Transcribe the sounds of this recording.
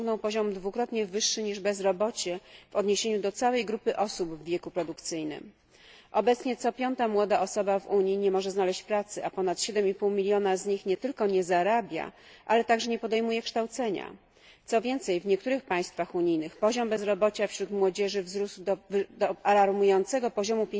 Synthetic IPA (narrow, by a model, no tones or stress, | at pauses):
ŋɡnɔ̃w̃pɔʑɔmd̪vukɾɔt̪ɲɛvɘʂːɘɲiʐbɛzɾɔbɔt͡ɕɛv̥ɔd̪ɲeɕeɲud̪ɔt̪sawɛjɡɾupɘʔɔsubvːʲjɛkupɾɔd̪ukt̪sɘjnɘ̰m | ʔɔbɛt̪sɲɛt̪sɔpʲjɔnt̪amwɔd̪aʔɔsɔbavuɲjiɲɛmɔʐɛznalɛɕt͡ɕpɾat̪sɘʔapɔnat̪ɕɛd̪ɛmipuwmʲilʲjɔnazɲixɲɛt̪ɘlkɔɲɛzaɾabʲja̰ | ʔalɛt̪aɡʐɛɲɛpɔd̪ɛjmujɛkʂt̪awt̪sɛɲa̰ | t̪sɔvʲjɛnt̪sɛjvɲɛk̚t̪uɾɘxpaj̃st̪faxuɲijnɘxpɔʑɔmbɛzɾɔbɔt͡ɕafɕɾut̪mwɔd͡ʑɛʐɘvzɾusd̪ɔd̪ɔalaɾmujɔnt̪sɛɡɔpɔʑɔmupʲ